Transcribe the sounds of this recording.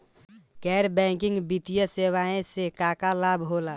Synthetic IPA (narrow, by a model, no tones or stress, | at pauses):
kɛɾbɛ̃kɪ̃ŋɡbit̪ijəsewaẽsekakalabʱɦola